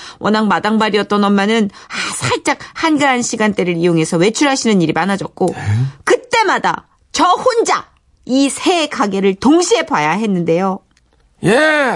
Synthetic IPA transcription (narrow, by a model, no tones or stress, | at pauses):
wʔʌnaŋmadaŋbaɾiʌt͈̚ʌnʌmːanɯnsʰaɭt͡ɕ͈ak̚hanɡaanɕʰiɡant͈e̞ɾɯɾijoŋe̞sʰʌwe̞t͡ɕʰuɭɦaɕʰinɯniɾimanad͡ʑʌk̚k͈okɯt͈e̞mada̰ | t͡ɕʌhond͡ʑa̰ | isʰe̞kaɡeɾɯɭtoŋɕʰie̞bajaɦe̞nːɯnde̞jo | je